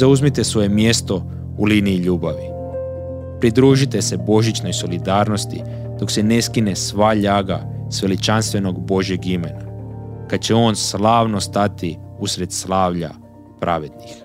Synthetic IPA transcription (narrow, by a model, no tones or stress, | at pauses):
zauzmit̪e̞sʋo̞je̞mje̞st̪o̞ | uliniːʎuːbaʋi | pɾid̪ɾuːʒit̪e̞se̞bo̞ʒit͡ʃno̞jso̞lid̪aːɾno̞st̪i | d̪̥o̞kse̞ne̞skine̞sʋaʎaːɡa̰ | sʋe̞lit͡ʃanst̪ʋe̞no̞ɡbo̞ʒje̞ɡime̞nakad̪̚t͡ɕeo̞ːnslˠaːʋno̞st̪at̪iusɾe̞d̪slˠaːʋʎa̰ | pɾʔaʋe̞d̪nix